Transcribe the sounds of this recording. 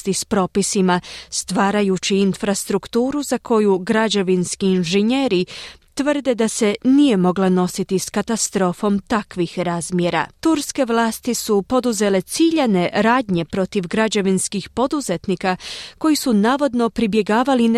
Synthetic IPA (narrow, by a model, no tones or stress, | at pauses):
t̪ispɾo̞ːpisimast̪ʋaːɾajut͡ɕiːnfɾast̪ɾukt̪uːɾuzakʰo̞juɡɾad͡ʒaʋinskiːnʒeɲeɾit̪ʋərd̪e̞d̪ase̞nije̞mo̞ɡlano̞sit̪iskat̪ast̪ɾo̞ːfo̞mt̪akʋixɾaːzmjeɾa̰t̪uɾske̞ʋlˠaːst̪isupo̞d̪uze̞le̞t̪siʎane̞ɾaːd̪ɲe̞pɾo̞t̪iʋɡɾad͡ʒaʋinskixpo̞d̪uze̞t̪nikako̞jisunaːʋo̞d̪no̞pɾibje̞ɡaːʋalin